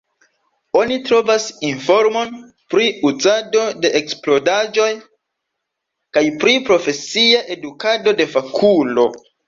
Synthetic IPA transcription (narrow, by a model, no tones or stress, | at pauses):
o̞nitɾo̞vasinfo̞ɾmon | pɾiuzado̞de̞ʔeksplo̞dad͡ʒo̞j | kajpɾipɾo̞fe̞siaʔe̞dukado̞de̞fakʰulo̞̰